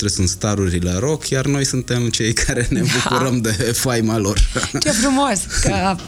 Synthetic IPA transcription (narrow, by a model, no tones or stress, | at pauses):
t̪ɾesunt̪st̪aɾuɾʲileɾo̞kʰjarno̞jsunt̪e̞mt͡ʃe̞jkʰaɾe̞ne̞bukuɾəmd̪e̞fajmalo̞rt͡ʃefɾumoskə